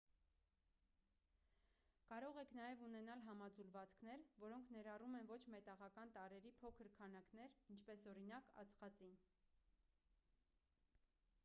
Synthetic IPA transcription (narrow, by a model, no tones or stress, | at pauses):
kɑɾɔʁɛkʰn̪ɑjɛvunɛnɑlɦɑmɑd͡zulvɑt͡skʰnɛɾvɔɾɔŋkʰn̪ɛɾɑrumɛnvɔt͡ʃʰmɛt̪ɑʁɑkɑnt̪ɑɾɛɾipʰɔkʰəɾkʰɑnɑkn̪ɛɾint͡ʃʰpɛsɔɾinɑkɑ̰t͡sχɑt͡sin